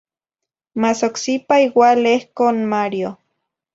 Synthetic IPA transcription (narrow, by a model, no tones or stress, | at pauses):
masoksipaiwalehkonmaɾjo